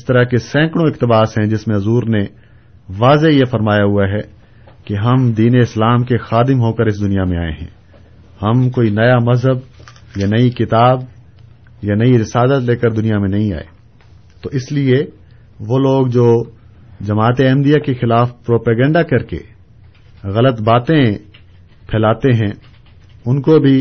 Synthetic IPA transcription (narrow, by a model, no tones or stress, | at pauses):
ɪst̪ɐɾaɦkesɛ̃ːkɽ̃õɪqt̪ɪbaːsɦɛ̃d͡ʒɪsmẽɐzuːɾne | ʋaːzejefɐɾmaːjaɦuaɦɛ | keɦɐmd̪iːneɪslaːmkexaːd̪ɪmɦoːkəɾɪs̬d̪ʊnijamẽaːḛɦɛ̰̃ː | hɐmkoːinɐjamɐzɦəb̚ | janɐikɪt̪aːb | janɐiɾɪsaːd̪ət̪leːkəɾd̪ʊnijamẽnɐɦĩa̰ːḛ | t̪oːʔɪslie | ʋoːloːɡd͡ʒoː | d͡ʒɐmaːt̪eɛ̃md̪ijakexɪlaːfpɾoːpɛːɡɛ̃ːɳɖakɐɾkḛ | ɣɐlət̪baːt̪ẽ | pʰɛːlaːt̪eɦɛ̃ | ʊnkobʱi